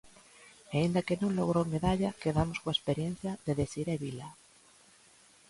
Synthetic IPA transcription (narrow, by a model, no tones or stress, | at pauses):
aind̪akenõŋloɣ̞ɾowmeðaʎakeðamoskowaespeɾjẽn̟θjaðeðesiɾeβila